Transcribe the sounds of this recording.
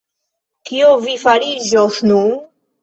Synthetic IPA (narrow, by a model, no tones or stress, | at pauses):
kʰiovifaɾid͡ʒosnun